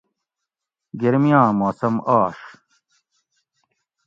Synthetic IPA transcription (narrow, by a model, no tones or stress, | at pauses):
ɡiɾmijãːmaːsɐmaːʂ